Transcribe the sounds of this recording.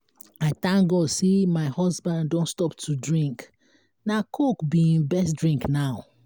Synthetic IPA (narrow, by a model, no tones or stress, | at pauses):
aɪt̪ãŋɡɔsemaɪhɔzbãnddõntstɔptʰudɹĩŋk | nakʰokbiĩnbɛsdɹĩŋknaʊ